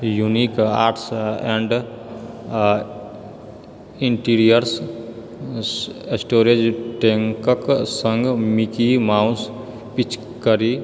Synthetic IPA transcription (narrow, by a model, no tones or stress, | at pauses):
junikaːɾʈsɛ̃ɳɖ | iɳʈiɾijəɾs | esʈoːɾed͡ʒʈeŋkəksə̃ŋɡmikimaʊ̃s | pit͡ʃ | kəɾi